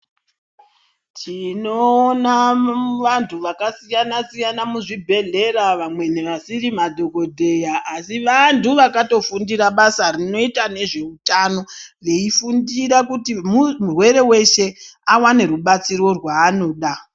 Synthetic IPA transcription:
tʰinoːnaʋantʰuʋakasijanasijanamuʐibʱe̞ɮe̞ɾaʋamwe̞ne̞ʋasirimadʱo̞ko̞dʱe̞jaʔːsiʋantuʋakato̞fundiɾaɓasarino̞itane̞ʐe̞utano̞re̞ifundiɾakutimumurwe̞ɾe̞we̞ʃe̞awane̞ɾuɓat͡siɾo̞rwaːno̞ːɗa

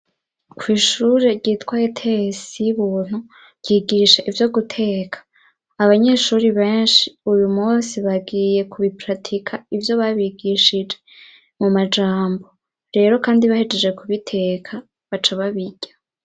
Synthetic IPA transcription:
kʰwiːʃuːɾe̞ɾɟiːtwajetʰesijiβuːn̥hu | ɾɟ̥iːɡiʃaʔivjo̞ɡutʰe̞ːkʰḁː | βaɲe̞ʃuːɾiβe̞ːnʃiujumuːsiβaɡiːje̞kʰuβipɾatʰikʰaivjo̞βaβiɡiʃid͡ʒe̞ | mumad͡ʒaːmbo̞ | ɾe̞ːɾo̞kaːndiβahed͡ʒed͡ʒe̞kuβitʰe̞ːkʰa | βat͡ʃaβaβiɟ̥a

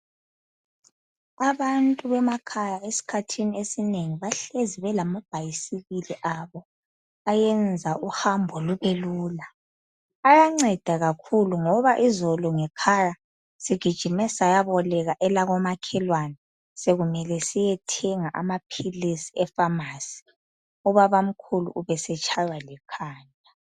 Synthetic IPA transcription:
aβantʼuβɛmakʰajaesi̥kʰatʰiniesineŋiβaɬeziβɛlamab̥ʱajisiβiliʔaβɔ | ajɛnd͡zʱaʔuhambʱɔluβeluːlaː | jaŋ͡ǀɛd̥ʱaɣakʰuluŋɔβaʔizɔlɔŋɛkʰaja | siɡ̥ʱid̥ʒ̥ʱimɛsajaβɔlɛɣaʔɛlaɣɔmakʰɛlwana | seɣumɛlɛsijɛtʰɛŋaʔamapʰilisiɛfamasi̥ | ɔβaβam̩kʰulṵʔːβɛsɛt͡ʃʰajwalɛkʰaːnʱ | a

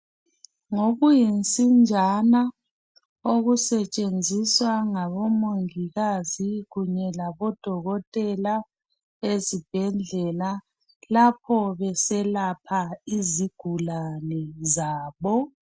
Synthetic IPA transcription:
ŋoɣujint͡sʼind͡ʒʱana | oɣusɛt͡ʃʼend͡zʱiswaŋaβɔmoŋiɣaziɣuɲɛlaβɔd̥ʱɔɣɔtʼɛla | ezib̥ʱɛnd͡ɮʱɛla | lapʰɔβɛsɛlapʰaiziɡ̥ʱulanɛzaːβɔ

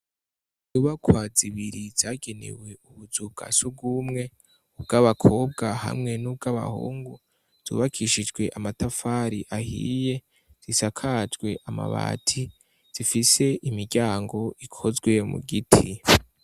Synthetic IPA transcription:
zuβakwaːziβiɾiz̥aːɡe̞ne̞̰we̞uβuzub̚ɡa̰sub̚ɡumŋe̞ | ub̚ɡaβakʰo̞ːb̚ɡaha̰mŋe̞nub̚ɡaβa̰hṵːŋɡu | z̥ṵːβakʰiʃid͡ʒɡwe̞ʔamatafaɾiʔahḭːje̞ | z̥isakʰaːd͡ʒɡwe̞ʔama̰βa̰ːtʰi | z̥ifise̞ʔimiɾɟaːŋɡo̞ikʰo̞zɡwemṵɡitʰi

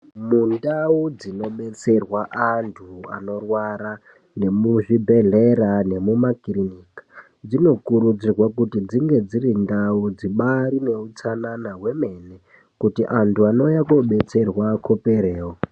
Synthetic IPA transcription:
mundaud͡zino̞ɓe̞t͡se̞rwaʔantʰua̰no̞rwaɾa | ne̞muʐibʱe̞ɮeɾane̞mumakiriniːkḁ | d͡zino̞kuɾud͡zirwakutid͡ziŋɡe̞d͡ziɾindaud͡ziɓaɾine̞ut͡sananaɦwe̞me̞ne | kutiʔantʰuano̞jakoɓe̞t͡se̞rwakʰopeɾeːwo

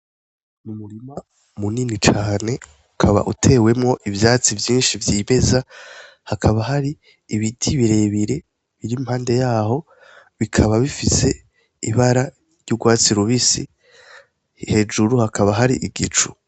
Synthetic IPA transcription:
mumuɾima | muninit͡ʃaːne̞ | ukʰaβa̰ʔutʰe̞ːwe̞mŋo̞ʔivjaːt͡sivjĩːnʃivjime̞za | hakʰaβaɦaɾiː | βitʰiβiɾe̞βiɾe̞ | βiɾimhaːnde̞jaːho̞ | βikʰaβaβifise̞ | iβaɾa | ɾjuɡwaːt͡siɾuβisi | he̞d͡ʒuɾuhakʰaβaɦaɾḭʔiɡit͡ʃu̥

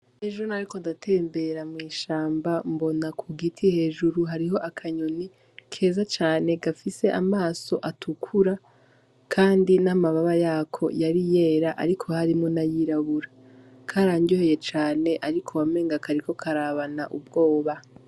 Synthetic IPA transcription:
heʒuɾunaɾiko̞ndatʰe̞ːmbe̞ɾamŋiːʃaːmbambo̞nakʰuɡitʰihe̞ːʒuɾuɦaɾiɦo̞ʔakʰaɲoni | kʰe̞ːzat͡ʃaːne̞ɡafise̞ʔamaːso̞ʔatʰukʰuɾa | kʰaːndinamaβaβajaːkʰo̞̰jaɾije̞ːɾaʔa̰ɾikʰo̞haɾimŋonajiɾaβuɾa | kʰaɾaːɲɟoheje̞t͡ʃaːne̞ʔaɾikʰowame̞ːŋɡakaɾiko̞kʰaɾaβanaʔub̚ɡo̞ːβa

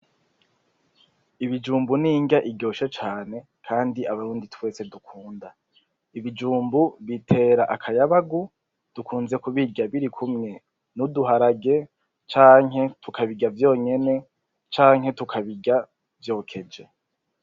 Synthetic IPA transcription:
iβid͡ʒuːmbuniːŋɡaʔiɟo̞ːʃat͡ʃaːne̞ | kʰaːndiaβaɾuːnditwe̞ːse̞dukʰuːnda | iβid͡ʒuːmbuβitʰe̞ːɾaʔakʰajaβaɡu | d̥ukʰuːnze̞kuβiɟaβiɾikʰumŋe̞ | nuduɦaɾaɡe̞ | t͡ʃaːŋɦe̞tukʰaβiɡavjo̞ːɲe̞ne̞ | t͡ʃaːŋɦe̞tukʰaβiɡa | vjo̞ːkʰe̞d͡ʒe̞

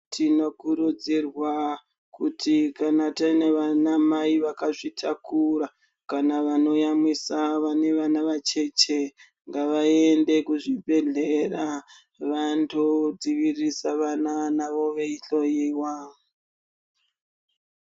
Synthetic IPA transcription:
tʰino̞kuɾud͡zirwa | kutʰikanatane̞ʋanamaiʋakaʐitʰakuɾa | kanaʋano̞jamisaʋane̞ʋanaʋat͡ʃe̞t͡ʃe̞ | ŋɡaʋae̞nde̞kuʐibʱe̞ɮe̞ra | ʋantʰod͡ziʋirisaʋananaʋo̞ʋe̞iɬo̞jiːwa

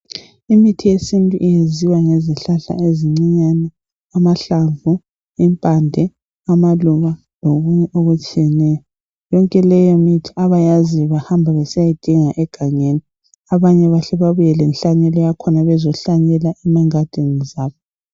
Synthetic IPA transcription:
imitʰijesintʼuʔijeziwaŋeziɬaɬa̰eziŋ͡ǀiɲanɛ | amaɬaɱvu | impʼandʱɛ | amaluβa | loɣuɲɛʔoɣut͡ʃʼijɛnɛjɔ | jɔŋkʼɛlɛjɔmitʰi̥aβajaziβahambʱaβɛsajid̥ʱiŋaʔɛɡ̥ʱaɲeni | aβaɲɛβaɬɛβaβujɛlɛnɬaɲɛlɔjakʰɔnaβɛzɔɬaɲɛlaʔɛmaŋad̥ʱinizaːβɔ

